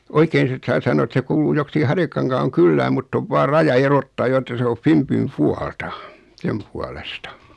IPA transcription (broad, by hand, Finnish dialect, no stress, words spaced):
oikeːn sit sɑː sɑnˑo et se kuːluː joksiki hɑrjɑkɑŋkɑːŋ kylːæːm mutː oʋ ʋɑːr rɑjɑ erotːɑː jo etːæ se o fimpym puɑltɑ sem puɑlestɑ